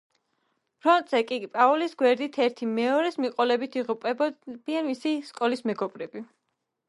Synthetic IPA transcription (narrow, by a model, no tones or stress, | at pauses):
pʰɾɔnt̪ʼsɛkʼipʼaulisɡwɛɾd̪it̪ʰɛɾt̪ʰimɛɔɾɛsmiqʼɔlɛbit̪ʰiʁupʼɛbɔb̪̥ianmisiskʼɔlismɛɡɔb̥ɾɛbi